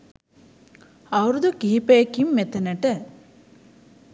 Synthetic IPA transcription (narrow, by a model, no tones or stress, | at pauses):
ɐwɾud̪ukiɦipekimːet̪enəʈə